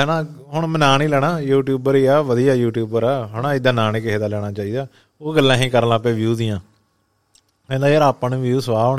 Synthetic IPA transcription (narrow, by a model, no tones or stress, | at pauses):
ɦɛːnaːɦʊɳmənaːnĩːlɛːɽaːjuːʈjuːbəɾiːɛːʋəd̪ijaːjuːʈjuːbəɾɛːɦɛnãːɪd̪aːnaːniːkɪɦeːd̪aːlɛːɽ̃aːt͡ʃaːiːd̪aː | oːɡəlːãːɦĩːkəɾnãːpẽːʋjuːd̪ɪːjãː | ẽːd̪aːjəɾaːpənʋjuːsəʋaːonː